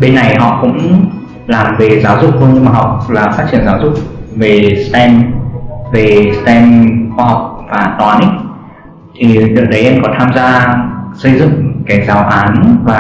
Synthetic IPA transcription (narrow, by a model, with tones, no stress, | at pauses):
ɓe˧nːa˨˩jɦɔ̰˧˨kʊ̰˧˥ŋ͡m | laː˨˩mve˨˩zaː˨˦wzʊ˨˩k͡p̚hɨ˧əŋmaː˨˩ɦa˨˩wk͡p̚laː˨˩faː˦˥t̚t͡ɕi˧˩ənzaː˨˦wzʊ˨˩k͡p̚ve˨˩st̪ɛ˧n | ve˨˩st̪ɛ˧nxwaː˧ha˨˩wk͡p̚vaː˨˩t̪waː˨˦nʔi˦ | t̪ʰi˨˩ɗɨ˨˩ɗə˨˦jʔɛ˧nkɔ˨˦t̪ʰaː˧mzaː˧sə˧jzɨ̰˧˨ŋkaː˨˦jzaː˨˦wʔaː˨˦nvaː˨˩